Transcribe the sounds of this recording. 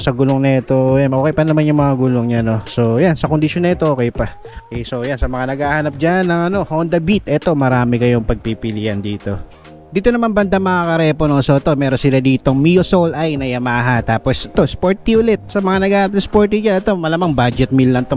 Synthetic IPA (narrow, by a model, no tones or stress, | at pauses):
sɐɡuloŋnɐɛt̪o̞janʔoːkɛjpɐnɐmanjʊŋmɐŋaɡuloŋɲano̞so̞jansɐkond̪ɪʃonːɐɛt̪o̞ʔoːkɛjpɐ | so̞jansɐmɐŋanɐɡaːhɐnɐp̚d͡ʒanːɐŋɐno̞hond̪ɐbit̪ʔɛt̪o̞mɐɾaːmɪkɐjo̞ŋpɐɡ̚pipɪlijɐnd̪iːt̪o̞ | d̪iːt̪o̞nɐmanbɐnd̪ɐmɐŋakɐɾɛponoso̞ʔɛt̪omɛːɾonsɪlad̪iːt̪o̞ŋmijosolʔajnɐjɐmaːɦɐnt̪aːposɛt̪o̞spoɹt̪ːiʊlɛt̪̚sɐmɐŋanɐɡaːhnɐp̚nɐspoɹt̪id͡ʒanɛt̪o̞mɐlamɐŋbad͡ʒɛt̪̚milːɐnt̪o